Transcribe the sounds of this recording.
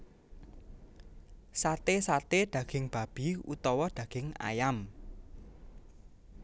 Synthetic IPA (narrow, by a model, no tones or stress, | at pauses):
sat̪esat̪ed̪̥ä̤ɡ̥ɪ̤ŋb̥ä̤b̥i̤ut̪ɔwɔd̪̥ä̤ɡ̥ɪŋa̰jam